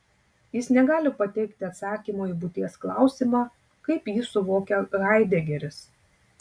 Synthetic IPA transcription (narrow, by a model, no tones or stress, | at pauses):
jɪsnʲɛɡɑːlʲɪpɐt̪ʲɛɪkt̪ʲɪɐt̪sɑːkʲimoːibʊt̪ʲiɛsklˠɑˑʊsʲiːmɑː | kɐɪpjiːsʊʋoːkʲɛɾɑˑɪd̪ʲɛɡʲɛɾʲɪs